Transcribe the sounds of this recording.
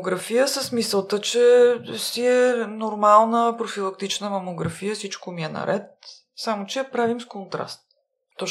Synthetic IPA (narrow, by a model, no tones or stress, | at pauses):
ɡɾɐfijəsəsmisəlˠt̪ət͡ʃɛsiɛnoɾmalˠnəpɾofilˠɐkt̪it͡ʃnəmɐmoɡɾɐfijəsit͡ʃkomiɛnɐ̰ɾʔɛt̪̚ | samot͡ʃɛpɾavimskont̪ɾa̰st̪̚ | t̪ːɔ